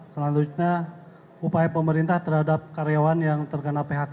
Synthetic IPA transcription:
səland̪ut̪̚ɲa | upajapəməɾint̪aht̪ərɦadap̚kaɾejawanjaŋt̪ərkənapeɦat̪̚

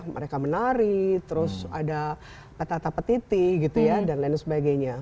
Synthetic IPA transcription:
mʔə̰ɾekamənaɾɪkt̪əɾʊsa̰da | pət̪at̪apət̪it̪iɡit̪ujadanlaɪnsəbaɡajɲa

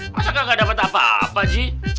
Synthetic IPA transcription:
masakaŋɡadapət̪apaa̰pad͡ʒi

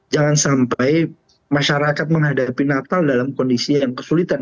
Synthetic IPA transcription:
d͡ʒaŋansampaj | maʃaɾakat̪̚məŋɦadapinat̪aldalamkɔndisijaŋkəsulit̪an

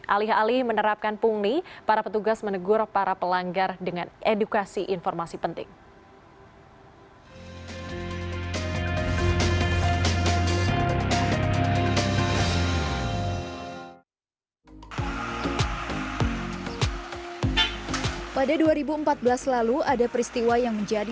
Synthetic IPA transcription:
ʔalɪɦalɪhmənəɾap̚kanpuŋnipaɾapət̪uɡasmənəɡʊrpaɾapəlaŋɡardəŋanʔedukasiʔinfɔrmasipənt̪ɪ̰ŋ | padaduaɾibuəmpat̪̚bəlaslaluadapəɾist̪iwajaŋməɲd͡ʒad

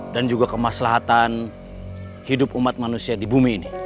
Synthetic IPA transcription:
dand͡ʒuɡakəmaslaɦat̪an | hidʊpumat̪̚manusiadibumiːni

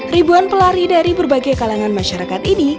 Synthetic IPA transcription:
ribuanpəlaɾidaɾibərbaɡajkalaŋanmaʃaɾakat̪ini

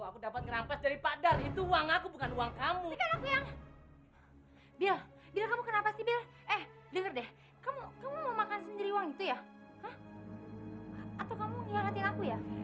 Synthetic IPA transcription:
akudapat̪̚ŋəɾampasdaɾipadalit̪uuaŋakubukanuaŋkamuikalakujaŋ | bial | bilakamukənapasibiar | ɛh | dəŋərdɛh | kamukamumamakansəndiɾiuwaŋit̪ujaəh | at̪awkamuɡəbaɾat̪ɪnakuja

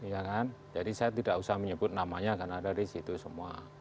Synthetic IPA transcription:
jakand͡ʒadisajat̪idakusahməɲəbʊt̪̚namaɲakanadadisit̪usəmua

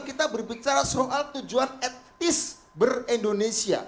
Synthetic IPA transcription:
kit̪abərbit͡ʃaɾasoʔalt̪ud͡ʒuanɛt̚t̪ɪs | bərindonesia̰

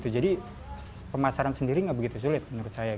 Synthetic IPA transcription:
t̪ud͡ʒadi | pəmasaɾansəndiɾiŋɡabəɡit̪us̬ulɪt̪̚mənuɾʊt̪̚saja

